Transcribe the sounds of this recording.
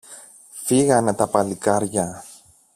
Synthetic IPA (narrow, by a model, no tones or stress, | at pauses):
fiɣɐnet̪ɐpɐlikɐɾʝɐ